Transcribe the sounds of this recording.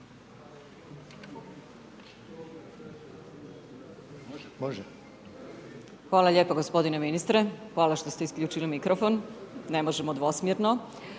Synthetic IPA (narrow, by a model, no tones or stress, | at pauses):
ʒ | xʋaːlˠaʎeːpoɡospo̞d̪ineminist̪ɾexʋaːlˠaʃt̪o̞st̪eiskʎʲuːt͡ʃilimikɾʔofo̞nnemoʒemod̪ʋosmjeɾno